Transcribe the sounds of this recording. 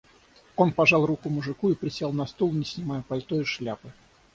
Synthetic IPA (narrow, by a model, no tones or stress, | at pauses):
o̞npɐʐɑlˠrukʊmʊʐɨkuipɾʲɪsʲelˠnɐst̪olˠnʲɪsʲnʲɪmajʊpɐlʲt̪oɪʂlʲapɨ